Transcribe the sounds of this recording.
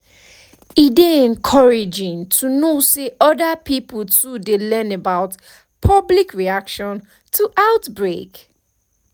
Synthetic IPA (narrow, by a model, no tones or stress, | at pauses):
ideɛ̃nkʰɔɹɪd͡ʒɪ̃ŋtʰunoseʔɔdapʰipltudelɛ̃nebaʊt | pʰʌblikʰɹiakʃɔ̃n | tʰuʔaʊtbɹek